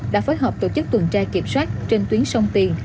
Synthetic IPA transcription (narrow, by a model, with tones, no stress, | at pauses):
ɗa̰ː˧˥foː˨˦jɦɔː˨˩p̚t̪o˧˩t͡ɕɨ˦˥k̚t̪wə˨˩nt͡ɕaː˧ki˧˩əp̚swaː˦˥t̚t͡ɕe˧nt̪wi˨˦ənsə˧wŋ͡mt̪i˧n